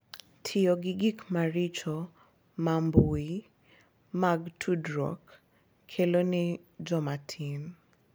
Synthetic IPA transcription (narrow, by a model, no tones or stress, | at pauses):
tʰɪɔɡɪɡikmaɾit͡ʃɔ | mambui | maɡtʰudɾɔ̰kʰː | elonɛd͡ʒɔmatʰin